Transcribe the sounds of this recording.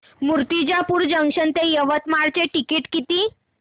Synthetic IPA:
muɾt̪id͡ʑjapuːɾd͡ʑəŋɕənt̪ejəʋət̪maɽt͡ɕeʈikiʈkit̪iː

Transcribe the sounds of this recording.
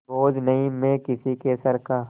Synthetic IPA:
boːd͡ʒnɐɦĩmẽkɪsikesəɾkaː

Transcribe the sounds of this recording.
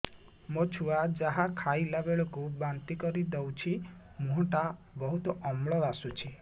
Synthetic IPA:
mot͡ʃʰuad͡ʒaɦakʰajlabeɭɔkubant̪ikɔɾid̪ewt͡ʃʰi | mũɦɔʈa | bɔɦut̪ɔʔɔmɭɔd̪asut͡ʃʰi

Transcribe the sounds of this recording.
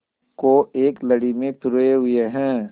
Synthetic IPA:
koeːklɐɽimẽt̪ʊɾeɦʊeɦɛ̃ː

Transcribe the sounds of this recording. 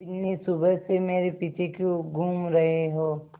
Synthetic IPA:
ɪnːisʊbəjsemeːɾepiːt͡ʃʰekjõɡʱuːmɾɐɦeɦoː

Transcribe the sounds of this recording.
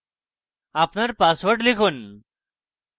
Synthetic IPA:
apnaɾpasʋəʈlikʰuːn

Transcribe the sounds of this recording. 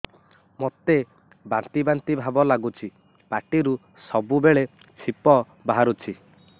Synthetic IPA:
mot̪e | bant̪ibant̪ibʱabɔlaɡut͡ʃʰi | paʈiɾu | sɔbubeɭe | t͡ʃʰipɔ | baɦaɾut͡ʃʰi

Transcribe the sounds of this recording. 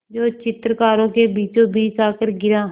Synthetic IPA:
d͡ʒoːt͡ʃɪt̪ɾəkaːɾõːkebiːt͡ʃõbiːt͡ʃaːkəɾɡɪɾãː

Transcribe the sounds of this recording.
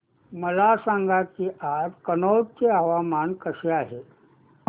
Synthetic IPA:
məlasãŋɡakiːʔad͡zkənot͡seaʋamankəɕeaɦe

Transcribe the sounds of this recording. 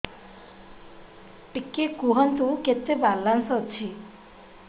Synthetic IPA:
ʈikːekuɦənt̪uket̪ːebalːansɔt͡ʃʰi

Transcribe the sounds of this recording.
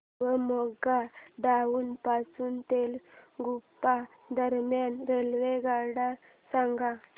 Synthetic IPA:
ʋəmɔɡaɖaʋuːnpasuːnt̪elɡupːa | d̪əɾmjanɾelʋeɡaɽa | sãŋɡa

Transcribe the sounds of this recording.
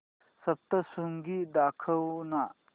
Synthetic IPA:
sɐp̚t̪ɐsuŋɡid̪akʰɐwnɐ

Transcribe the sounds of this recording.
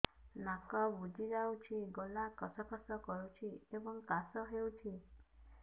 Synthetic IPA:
nakɔbud͡ʒʱid͡ʒawt͡ʃʰiɡolakɔsɔkɔsɔkɔɾut͡ʃʰiebɔŋkasɔɦewt͡ʃʰi

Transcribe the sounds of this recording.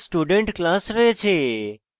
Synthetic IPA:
sʈuɖəɳʈklãsɾəɦet͡ʃʰe

